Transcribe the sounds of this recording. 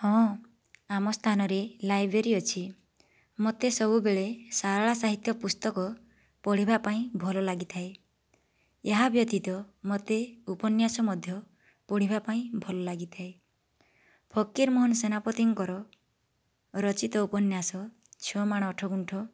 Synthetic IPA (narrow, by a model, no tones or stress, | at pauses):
hɔ̃ː | amɔst̪ʰanɔɾelajbʱɾeɾiɔt͡ʃʰi | mot̪esɔbubeɭesaɾaɭasaɦit̪jɔpust̪ɔkɔ | pɔɽ̤ibapaĩbʱɔlɔlaɡit̪ʰae | eɦabjɔt̪it̪ɔmot̪eupɔnjasɔmɔd̪ʱjɔ | pɔɽ̤ibapaĩbʱɔlɔlaɡit̪ʰae | pʰɔkːiɾmɔɦɔnsenapɔt̪iŋkɔɾɔ | ɾɔt͡ʃit̪ɔupɔnjasɔ | t͡ʃʰɔmaɽ̃ɔːʈʰɔɡuɳʈʰɔ